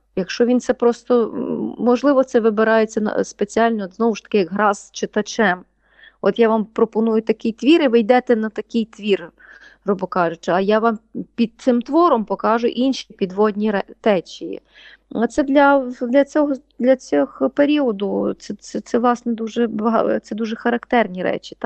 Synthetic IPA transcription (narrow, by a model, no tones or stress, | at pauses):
jɐkʃt͡ʃɔʋʲint̪sɛpɾɔst̪ɔmɔʒlˠɪʋɔt̪sɛʋɪbɪɾɑjet͡sʲːɐnɐ̰spet͡sʲiɑlʲnɔd̪znɔʋʊʃt̪ɐ̥kɪjɐɡɦɾɑzt͡ʃet̪ɐt͡ʃɛm | ɔt̪jaʋɑmpɾɔpɔnujʊt̪ɐkɪjt̪ʋʲiɾɪʋɪjd̪ɛt̪ɛnɐt̪ɐkʲɪjt̪ʋʲir | rɔbɔkɑʒʊt͡ʃɪɐjaʋɑmpʲid̪̚t̪sɪmt̪ʋɔɾɔmpɔkɑʒʊ̰ʔinʃipʲid̪ʋɔd̪ʲnʲiɾɛt̪ɛt͡ʃʲijḭ | ɐt̪sɛd̪lʲɐd̪lʲɐt͡sʲɔɦɔd̪lʲɐt͡sʲɔɦpeɾʲiɔd̪ʊt̪sɛɛt̪sɛʋlˠɑsnɛd̪uʒɛbɐɦɑ̰tsɛd̪uʒɛxɐɾɐkt̪ɛrnʲiɾɛ̰t͡ʃʲi̥t̪ɑ